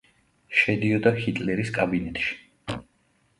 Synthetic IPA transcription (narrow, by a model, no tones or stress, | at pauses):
ʃɛd̪iɔd̪ahit̪ʼlɛɾiskʼabinɛt̪ʼʃi̥